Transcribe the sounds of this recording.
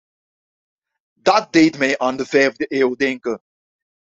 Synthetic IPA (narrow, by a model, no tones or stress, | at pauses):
dɑt̚dejtmɛjʔaːndəvɛjvdəʔeːwdɛŋkə